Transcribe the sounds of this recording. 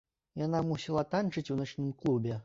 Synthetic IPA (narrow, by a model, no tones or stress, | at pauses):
janamusʲɛlˠat̪ant͡ʂɨt͡sʲuwnat͡ʂnɨmklˠubʲɛ